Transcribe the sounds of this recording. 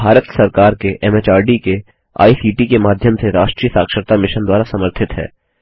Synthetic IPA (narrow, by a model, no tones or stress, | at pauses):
bʱaːɾət̪sɐɾkaːɾkeʔɛmeːt͡ʃaːɾɖike | a̰ːisiːʈikemaːd̪ʱjəmseɾaːʃʈɾiːjəsaːkʃəɾt̪amɪʃənd̪waːɾasɐməɾt̪ʰɪt̪ɦɛ̰ː